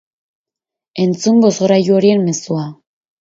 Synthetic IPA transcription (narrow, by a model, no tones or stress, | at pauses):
e̞nt͡sumbo̞zɣɾajuo̞ɾie̞nme̞sua